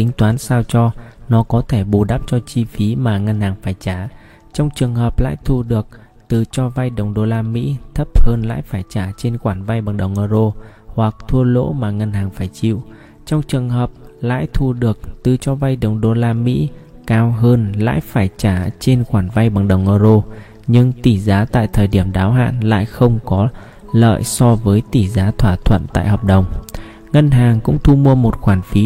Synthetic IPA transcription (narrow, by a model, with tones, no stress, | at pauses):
ï˨˦ŋ̟t̪waː˨˦nsaː˧wt͡ɕɔ˧nɔ˨˦kɔ˨˦t̪ʰe˧˩ɓu˨˩ɗa˦˥p̚t͡ɕɔ˧t͡ɕi˧fi˨˦maː˨˩ŋa˧nhaː˨˩ŋfaː˧˩jt͡ɕaː˧˩ | t͡ɕɔ˧wŋ͡mt͡ɕɨ˨˩əŋɦəː˨˩p̚la̰ː˧˥jt̪ʰu˧ɗɨ˨˩ək̚ | t̪ɨ˨˩t͡ɕɔ˧va˧jɗə˨˩wŋ͡mɗo˧laː˧mḭ˧˥t̪ʰə˦˥p̚həː˧nla̰ː˧˥jfaː˧˩jt͡ɕaː˧˩t͡ɕe˧nxwaː˧˩nva˧jɓaː˨˩ŋɗə˨˩wʔəː˧zo˧ | hwa˨˩k̚t̪ʰu˧əlo̰˧˥maː˨˩ŋa˧nhaː˨˩ŋfaː˧˩jt͡ɕḭ˧˨w | t͡ɕɔ˧wŋ͡mt͡ɕɨ˨˩əŋɦəː˨˩p̚la̰ː˧˥˨jt̪ʰu˧ɗɨ˨˩ək̚t̪ɨ˨˩t͡ɕɔ˧va˧jɗə˨˩wŋ͡mɗo˧laː˧mḭ˧˥ | kaː˧wɦəː˧nla̰ː˧˥˨jfaː˧˩jt͡ɕaː˧˩t͡ɕe˧nxwaː˧˩nva˧jɓa˨˩ŋɗə˨˩wŋ͡mʔəː˧zo˧ | ɲɨ˧ŋt̪i˧˩zaː˨˦t̪a̰ː˧˨jt̪ʰəː˨˩jɗi˧˩əmɗaː˨˦wɦa̰ː˧˨nla̰ː˧˨jxə˧wŋ͡mkɔ˨˦ | lə̰ː˧˨jsɔ˧vəː˨˦jt̪i˧˩zaː˨˦t̪ʰwaː˧˩t̪ʰwə̰˧˨nt̪a̰ː˧˨jɦəː˨˩p̚ɗə˨˩wŋ͡m | ŋə˧nɦaː˨˩ŋkʊ̰˧˥ŋ͡mt̪ʰu˧mu˧əmo˨˩t̚xwaː˧˩nfi˨˦